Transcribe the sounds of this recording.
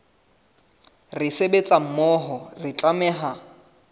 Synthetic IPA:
rɪsebet͡sʼam̩mɔɦɔrɪt͡ɬʼamɛːɦa

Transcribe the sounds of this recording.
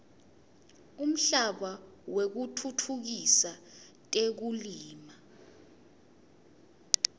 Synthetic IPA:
um̩ɬaɓawek̬utʰutʰuk̬isatʼek̬uliːma

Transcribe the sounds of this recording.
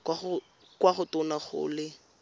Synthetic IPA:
kwaχʊ | kwaχʊtʊnaχʊ̰ːlɪ

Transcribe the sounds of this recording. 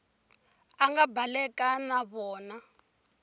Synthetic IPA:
aŋɡabalɛkanaβɔːna

